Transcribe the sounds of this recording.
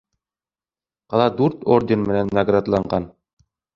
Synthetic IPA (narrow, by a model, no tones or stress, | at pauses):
qɑlˠɑd̪ʉɾt̪ordʲenmɘ̆nænːaɡrad̪lˠɑɴɢɑn